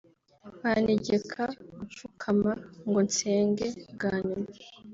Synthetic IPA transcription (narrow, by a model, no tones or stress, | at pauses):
βaneɟekʰauɱfukʰamaŋɡo̞nseːŋɡeɡaːɲuma